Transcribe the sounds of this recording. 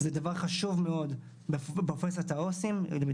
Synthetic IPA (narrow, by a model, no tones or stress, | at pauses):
zed̪avaʁχaʃuvmeo̞d̪ | befbofesot̪aosim